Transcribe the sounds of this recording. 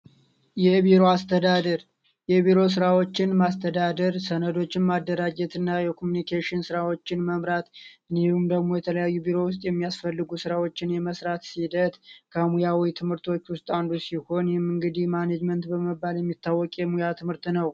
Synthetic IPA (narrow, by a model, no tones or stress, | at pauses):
jɛbiɾo̞ast̪ʰəd̪ad̪əɾ | jɛbiɾo̞s̬ɨɾawo̞t͡ʃːɪnmast̪ʰəd̪ad̪əɾsənəd̪o̞t͡ʃːɪnmad̪ːəɾad͡ʒɛt̪ʰɨnːajɛkʰomunikʰeʃɪnsɨɾawo̞t͡ʃːɪnməmɾat̪ɨniumd̪əɡmo̞jɛt̪ʰələjajːubiɾo̞wʊst̪ʼjɛmːijasfəlːɨɡusɨɾawo̞t͡ʃːɪnjɛməsɾat̪sid̪ət̪kʰəmujawit̪ʰɨmhɨɾt̪ʰo̞t͡ʃːwʊst̪ʼand̪usiho̞njɛmɨŋɡɨd̪ihmaned͡ʒmənt̪bəmɨbːaljɛmːit̪ʰːawːɔkʼjɛmujat̪ʰɨmhɨɾt̪nəw